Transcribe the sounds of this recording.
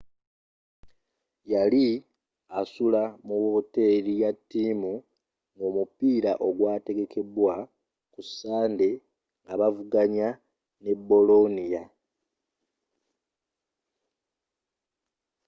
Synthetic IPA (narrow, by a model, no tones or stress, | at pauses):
jali | asulamuwo̞ːte̞ɾijatːiːmu | ŋɡomupiːɾaʔo̞ɡwaːte̞ɡe̞kʰe̞bwa | kusaːnde̞ | ŋɡaβavuɡaɲa | ne̞bo̞lo̞nija